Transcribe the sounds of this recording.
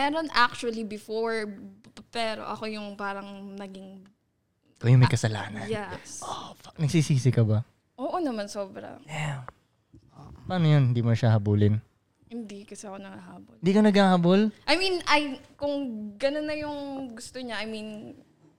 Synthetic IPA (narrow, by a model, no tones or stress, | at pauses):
mɛːɾonʔak̚t͡ʃʊɐlibɪfoɹ | pɛɾo̰ʔɐ̰ko̞jʊŋpaːɾɐŋnɐɡiŋ | kojʊmɐjkɐsɐla̰ːnɐnj̪ɛsʔofak̚nɐɡ̚sisiːsɪkɐbɐ | ʔoːʔo̞nɐmansoːbɾɐ̰jam | ʔopaːnojonhɪnd̪iːmoʃɐhɐbuːlɪn | hɪnd̪ikɐsɛɐko̞nɐŋɐɦaːbolnd̪iːkɐnɐɡhaːhabolʔɐjminʔɐj | kʊŋɡɐnonːɐjʊŋɡʊst̪oɲaʔɐjmin